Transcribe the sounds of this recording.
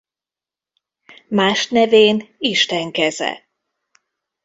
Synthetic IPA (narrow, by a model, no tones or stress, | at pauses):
maːʃnɛveːniʃt̪ɛŋkɛzɛ̰